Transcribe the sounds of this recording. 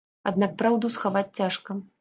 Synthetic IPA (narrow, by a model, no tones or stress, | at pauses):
ad̪nak̚pɾawd̪usxavat͡sʲt͡sʲaʂkɐ